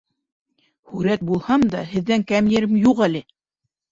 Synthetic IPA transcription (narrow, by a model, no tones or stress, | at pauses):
hʉɾæt̪̚bulˠhɑmd̪ɑhɘ̆ðːæŋkæmjɘ̆ɾɘmjuqælɘ